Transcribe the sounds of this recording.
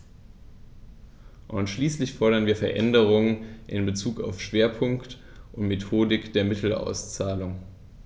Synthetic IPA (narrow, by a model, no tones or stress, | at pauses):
ʔʊnʃliːslɪçfɔɐɾɐnviːɐfɛɐʔɛ̰ndəʁʊŋənʔɪnbət͡suːka̰ʊfʃv̥eːɐpʰʊŋkt | ʔʊntmetʰoːdɪkd̥eːɐmɪtʰl̩a̰ʊst͡saːlʊŋ